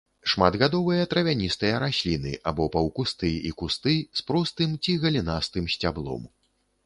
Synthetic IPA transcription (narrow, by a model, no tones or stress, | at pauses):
ʂmad̪ɣad̪ɔvɨjɐt̪ɾɐvʲanʲist̪ɨjɐɾasʲlʲinɨ̰ʔabɔpɐwkust̪ɨikust̪ɨspɾɔst̪ɨmt͡sʲiɣɐlʲinast̪ɨmsʲt͡sʲablˠɔ̰m